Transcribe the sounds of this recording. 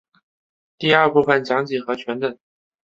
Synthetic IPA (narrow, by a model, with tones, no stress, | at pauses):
t̪i˥˧ɐ˞˥˧pu˥˩fə˨˩nt͡ɕjɑ˧˥ŋt͡ɕi˨˩xɤ˧˥t͡ɕʰɥɛ˧˥nt̪ə˨˩˦ŋ